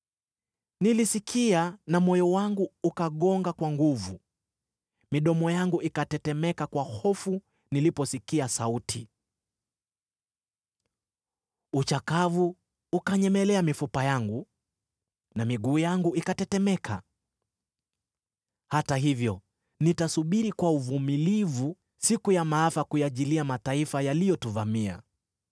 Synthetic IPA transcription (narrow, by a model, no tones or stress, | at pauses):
nilisikʰianamɔjɔwaŋɡuːkaɠɔŋɡakwaŋɡuvu | miɗɔmɔjaŋɡuʔikatɛtɛmɛkakwahɔfu | nilipɔsikiasautʰi | ut͡ʃakavuː | kaɲɛmɛlɛamifupajaŋɡu | namiɠuːjaŋɡuikatɛtɛmɛkʰa̰ | hataɦivjɔ | nitasuɓiɾikwauvumilivu | sikujamaafakujaʄiliamataifajalijɔtuvamia̰